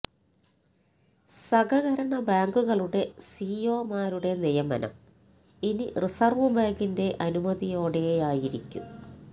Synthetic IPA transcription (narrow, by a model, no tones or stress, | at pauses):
sɐɣɐɣɐɾɐɳɐbaːŋɡuɣɐɭuɽe̞siːjoːmaːɾuɽe̞nejɐmɐ̰nɐ̰m | inḭrisɐrʋubaːŋɡinde̞ʔɐnumɐðijo̞ːɽeaːjiɾikʲːṵ